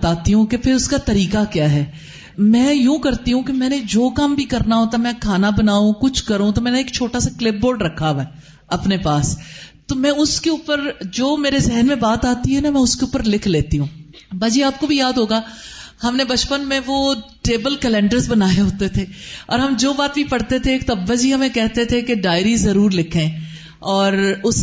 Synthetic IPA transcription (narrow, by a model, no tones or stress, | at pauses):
t̪aːt̪iɦũkepʰɪɾʊskat̪ɐɾiːkakjaːɦɛː | mɛ̃ːjũkɐɾt̪iɦũkemɛ̃ːned͡ʒoːkambʱikɐɾnaɦoːt̪amɛ̃kʰaːnabɐnaːũkʊt͡ʃʰkɐɾũt̪omɛ̃ːneeːkt͡ʃʰoːʈasaklɪp̚boːɾɖɾɐkʰːaʋɛː | ɐpnepaːst̪omɛ̃ːʊskeuːpəɾd͡ʒoːmeːɾezɛɦənmẽbaːt̪aːt̪iɦɛnamɛ̃ːʊskeʊpəɾlɪkʰleːt̪iɦũː | baːd͡ʒiaːp̚kobʱijaːd̪ɦoːɡaːhɐmnebɐt͡ʃpənmẽʋoːʈeːbəlkɛlɛ̃ːɳɖəɾzbɐnaːjeɦoːt̪et̪ʰeːɔ̰ːɾɦɐmd͡ʒoːbaːt̪bʱipɐɽt̪et̪ʰeːkt̪ɐbːad͡ʒiɦɐmẽkɛɦt̪et̪ʰekeɖaːɪɾizɐɾuːɾlɪkʰẽː | ɔːɾʊs